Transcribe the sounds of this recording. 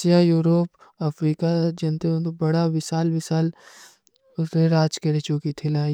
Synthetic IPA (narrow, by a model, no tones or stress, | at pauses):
jajuːɾoːp | ɐfʰɾiːkad͡ʒɐnt̪eõt̪obɐɽaʋɪsaːlʋɪsaːl | ʊt̪eɾaːd͡ʒkɐɽet͡ʃoːkit̪ʰɪlaː